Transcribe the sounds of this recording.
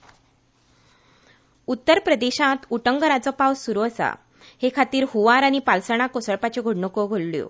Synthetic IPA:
ut̪ːəɾpɾəd̪eɕãt̪uʈəŋɡəɾat͡sɔpawssuɾuəsa̰ | hekʰat̪iːɾhuʋaɾañipalsəɳ̃akosəɭpat͡ɕeɡʱoɽɳəkɔɡʱoɭljo̰

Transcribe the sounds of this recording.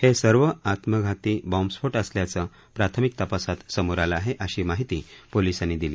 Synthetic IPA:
hesəɾʋəat̪məɡʱat̪iːbɔ̃msfoʈəsljat͡sə | pɾat̪ʰəmik̚t̪əpasat̪səmuɾalaːɦeʔəɕiːmaɦit̪iːpolisanːid̪iliː

